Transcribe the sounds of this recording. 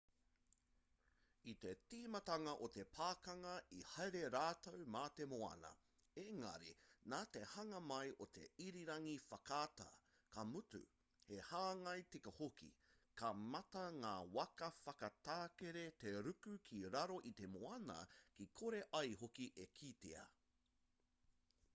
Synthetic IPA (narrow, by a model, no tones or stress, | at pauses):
it̪e̞tiːmɐtɐŋɐʔot̪e̞pʰaːkɐŋɐihɐjɾe̞ɾaːt̪owmaːt̪emoɐ̰nɐ̰ | eŋɐ̰ɾinaːt̪e̞hɐŋɐmɐjʔot̪ʰe̞̰iɾiɾɐŋifɐkaːt̪ɐ̰ | kɐmutʉ̰ | hehaːŋɐjtikɐhokḭkʰɐmɐtɐŋaːwɐkɐfɐkɐtaːkeɾet̪e̞ɾʉkʉkʰiɾɐɾo̞ʔit̪e̞moɐnɐ̰kikʰoɾe̞ʔɐjɦokiʔekʰit̪ḛɐ̰